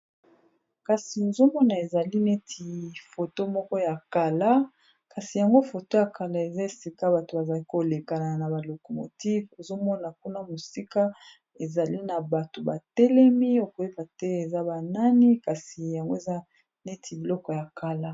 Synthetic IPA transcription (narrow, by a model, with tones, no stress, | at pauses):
ka˨si˨o˨zo˦mɔ˦na˨e˨za˨li˦ne˦tʰi˨fo˨to˦mɔ˦kɔ˦ja˨ka˨la˦ | ka˨si˨ja˨ŋɡo˦fo˨to˦ja˨ka˨la˦e˨za˦e˨si˨ka˦ba˨to˨ba˨za˨li˦ko˨le˨ka˨na˨na˨ba˨lo˨ko˨mo˨ti˦vo˨zo˦mɔ˦na˨ku˦na˦mo˨si˦ka˦ | e˨za˨li˦na˨ba˨to˨ba˨tɛ˦lɛ˦mi˦o˨ko˨e˦ka˨tɛ˦e˨za˦ba˨na˦ni˦ka˨si˨ja˨ŋɡo˦e˨za˦ | ne˦tʰi˨bi˨lɔ˦kɔ˨ja˨ka˨la˦